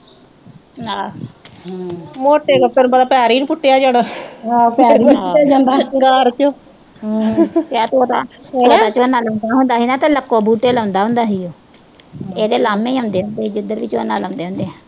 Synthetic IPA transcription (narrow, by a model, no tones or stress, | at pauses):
na | moːʈeːɡət̪enːbəd̪aːpaːɾiːñːpʊʈːeaːd͡ʒaːɽaːapaːɾiaːd͡ʒãːnd̪aːɡaːɾt͡ʃoː | kaːt̪oːt̪a̰ːt̪oːt̪aːt͡ʃoːnaːlãːnd̪aːɦʊnd̪aːɦiːnaːt̪ãːləkːoːbuːʈeːləːnd̪aːɦʊ̃nd̪aːɦiːoː | eːd̪eːlaːmẽːɦãːnd̪eːɦõːnd̪eːiːd͡ʒɪd̪əɾʋiːt͡ʃo̰ːnaːləãːnd̪eːɦʊ̃ːnd̪eːɛ̃ː